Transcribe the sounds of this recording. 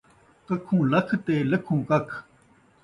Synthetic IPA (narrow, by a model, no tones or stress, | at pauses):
kəkʰũːlɐkʰt̪eːləkʰũːkɐkʰ